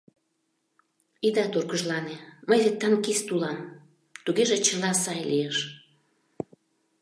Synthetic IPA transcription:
id̪ɑt̪urkəʒlɑneməjzet̪ːɑnkist̪ulɑm | t̪uɣeʒet͡ɕəlɑsɑjlieʃ

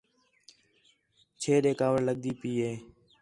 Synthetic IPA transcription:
t͡ʃʰeːɗeːkaːʋəɽləɠ̚d̪iːpiːɦeː

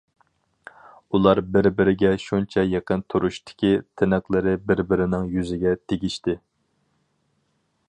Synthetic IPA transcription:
ulˠɑɾbɪɾbɪɾɪɡʲɛʃunt͡ʃʰɛjeqənt̪ʰuɾuʃt̪ʰɪ̥kʲit̪ʰɪnɨqlˠɨɾɪbɪɾbɪɾɪnɪŋjyzɪɡʲɛt̪ʰeɡʲiʃt̪ɪ

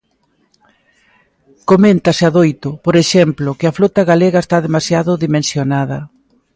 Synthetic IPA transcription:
komẽnt̪ɐsɪaðojt̪ʊpoɾeʃɛmplʊkɪɐflot̪ɐɣaleɣɐest̪aðemasjaðʊðimẽnsjonað̞ɐ

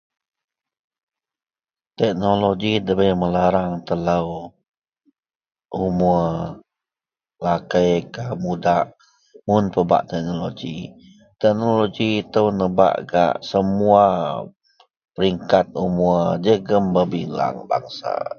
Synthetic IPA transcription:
t̪ɛk̚noloɡidəbəjməlaɾaŋt̪ələw | ʔumu | lakəjkamudaʔ | mʊnpəba̰ʔt̪ɛk̚noloɡḭ | t̪ɛk̚noloɡiːt̪əwnəba̰ʔɡa̰ʔsəmua | pəɾiŋkat̪̚umuəd͡ʒəɡəmbəbila̰ŋba̰ŋsa̰

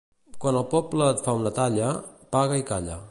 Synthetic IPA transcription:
kwanəlˠpɔpləːt̪faunət̪aʎəpaɣəikaʎə̰

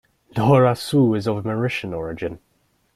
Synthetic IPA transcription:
l̥ɔːɹasuːɪzəvməɹɪʃə̃nɔɹɪd͡ʒɪ̃n

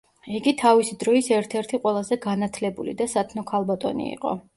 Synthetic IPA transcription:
iɡit̪ʰavisid̪ɾɔisɛɾt̪ʰɛɾt̪ʰiqʼwɛlˠazɛɡanat̪ʰlɛbulḭd̪asat̪ʰnɔkʰalˠbat̪ʼɔnḭḭqʼɔ̰

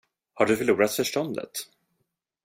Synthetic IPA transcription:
haɖɵfœɭuːɾat̪fœʂʈɔnd̪ə̰t̪

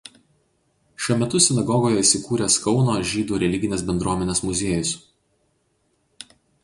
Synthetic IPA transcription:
ʃʲuɔmʲɛt̪ʊsʲɪnɐɡɔɡoːjɛiːˑsʲɪkuːɾʲeːskɒʊnoːʒʲiːd̪uːɾʲɛlʲɪɡʲɪnʲeːsbʲɛnd̪ɾuɔmʲɛnʲeːsmʊzʲeːjʊs

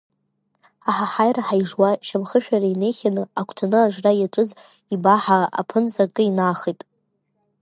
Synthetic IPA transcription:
aħaħajraħajʐwaʃamχəʃᶣaɾaine̞jχʲanɨakʷʰtʰanɨaʐrajaʈ͡ʂʼɨz | ibaħaa̰pʰɨnzakʼɨinaχitʼ

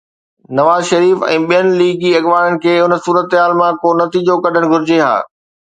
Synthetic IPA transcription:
nɐʋaːzʃɐɾiːfɛ̰̃ːɓijənɪ̆liːɡiɐɠʋaːɽənɪ̆kʰeːʊnə̆suːɾət̪ɦaːlmãkonɐt̪iːd͡ʑokɐɗʱəɽ̃̆ɡʱʊɾɪd͡ʑeɦa̰ː

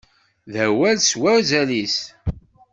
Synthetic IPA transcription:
ðæwælswæɾzælis

